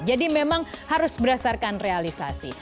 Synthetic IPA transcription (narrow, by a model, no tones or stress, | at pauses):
d͡ʒadimemaŋhaɾʊsbəɾasarkanrealisa̰sḭ